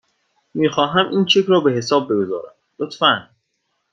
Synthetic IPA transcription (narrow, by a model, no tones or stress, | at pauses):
miːxɒːɦæmʔiːnt͡ʃʰekɾɒːbe̞ɦe̞sɒːb̚ːe̞ɡo̞zɒ̰ːɾæ̰m | lot̪fæn